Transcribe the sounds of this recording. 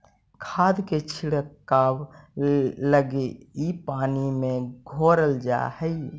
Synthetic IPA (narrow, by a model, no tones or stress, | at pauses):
kʰaːd̪ket͡ʃʰiɽəkːaːw | ləɡeipaːnimẽɡʱoɾəld͡ʒa̰həi